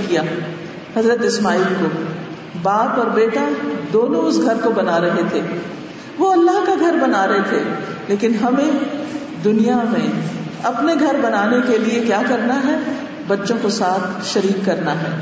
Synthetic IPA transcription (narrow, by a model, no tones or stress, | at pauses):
kijaː | hɐzɾət̪ɪsmaːiːlkoː | baːpɔːɾbeːʈad̪oːnõʊsɡʱɐɾkobɐnaɾɐɦet̪ʰeː | ʋoɐlːaɦkaɡʱɐɾbɐnaːɾɐɦet̪ʰe | leːkɪnɦɐmẽ | d̪ʊnijamẽɐpneɡʱɐɾbɐnaːnekeliekjaːkɐɾnaɦɛː | bɐtːʃõkosaːt̪ʰʃɐɾiːkːɐɾnaɦɛ̰ː